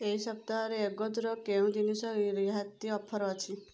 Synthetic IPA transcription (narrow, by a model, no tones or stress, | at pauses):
eisəp̚t̪aɾeːɡɔd̪ɾɔkeũd̪inisɔiɾiɦat̪ːiɔpʰːɔɾɔːt͡ʃʰi